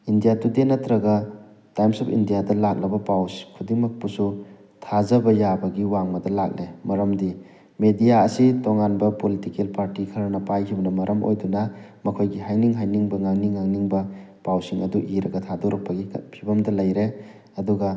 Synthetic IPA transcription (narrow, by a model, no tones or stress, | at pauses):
indijatudenːɐtɾɐɡɐ | tajmsɔpʰḭndijadɐlak̚lɐbɐpawskʰudiŋmɐk̚pusu | tʰazɐbɐjabɐɡiwaŋmɐdɐlak̚lemɐɾɐmdi | medijaɐsitoŋanbɐpolitikelpaɾtikʰɐɾɐnɐpajkʰibɐnɐmɐɾʔɐmo̰jdunɐmɐkʰojɡiɦajniŋɦajniŋbɐŋaŋniŋːaŋniŋbɐpawsiŋɐ̰duʔiɾɐɡɐtʰadoɾɐk̚pɐɡipʰibɐmdɐlɐjɾe | ɐduɡɐ